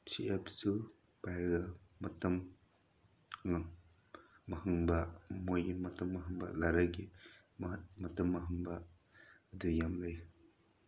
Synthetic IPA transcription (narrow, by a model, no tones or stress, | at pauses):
t͡ʃʰiepsu | pajɾɡɐmɐtɐm | ɐhɯŋbɐmojmɐtɐmːɐɦɯŋbɐlaɾaɡi | mmɐtɐmːɐɦɯŋbɐ | ɐdujamlaj